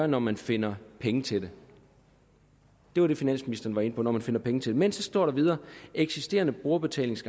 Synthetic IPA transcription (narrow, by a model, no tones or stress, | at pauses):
ɐnɒmænfe̝n̰ɐpʰeŋət͡sʰe̝d̥e̝ | d̥e̝ʋɑɾ̥e̝finæn̰sminisd̥ɐn̩ʋɑ̈e̝nəpʰɒ̽nɒmænfe̝nɐpʰeŋət͡sʰe̝lde̝mensɒ̽sd̥ɒ̰ːɾ̥ɑ̈ʋið̞ˠɐːeɡ̥sisd̥e̝̰ːɐnəb̥ʁo̝ːɐb̥e̝t͡sʰɛ̰ːle̝ŋsɡ̥